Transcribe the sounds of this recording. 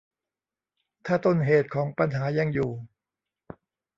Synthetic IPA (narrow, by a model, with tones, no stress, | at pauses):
t̪ʰaː˥˩t̪o˧˩nɦeː˨˩t̪̚kʰɔː˩˦ŋpa˧nɦaː˩˦ja˧ŋjuː˨˩